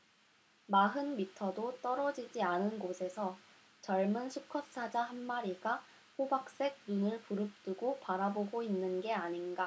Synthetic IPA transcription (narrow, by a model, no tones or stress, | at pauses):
maɦɯnmitʰʌdot͈ʌɾʌd͡ʑid͡ʑianɯnɡosʰe̞sʰʌ | t͡ɕʌɭmɯnsʰukʰʌs͈ʰad͡ʑaɦanmaɾiɡa | ɸobak̚s͈e̞ɡ̚nunɯɭpuɾɯp̚t͈ɯɡopaɾaboɡoinːɯnɡe̞aɲinɡa